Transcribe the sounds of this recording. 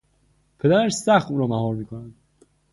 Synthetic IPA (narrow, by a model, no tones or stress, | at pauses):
pʰe̞d̪æɾæʃsæxt̪uːɾɒːmæhɒːɾmiːkʰonænd̪